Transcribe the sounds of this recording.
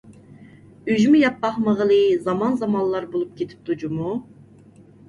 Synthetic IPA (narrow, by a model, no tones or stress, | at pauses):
yʒymujɑp̚bɑχməʁəlˠɨzɑmɑnzɑmɑnlˠɑɾbolˠup̚kʲʰet̪ʰi̥p̚t̪ud͡ʒumu